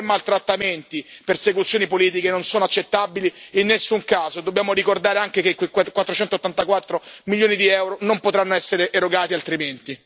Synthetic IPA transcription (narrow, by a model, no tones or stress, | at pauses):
mːalt̪ɾat̪ːament̪ipersekut̪sːjoːnipoliːt̪̬ikenonsoːnoat͡ʃːet̪ːabiliinːesːuŋkaːzod̪obːjaːmoɾikord̪aːɾeaŋk̟ekekwekkwat̪ːɾot͡ʃɛnt̪ot̪ːant̪akwat̪ːɾomiljoːnid̪iɛwɾonompot̪ɾanːoɛsːeɾeʔːɾoɡaːt̪ialt̪ɾiment̪i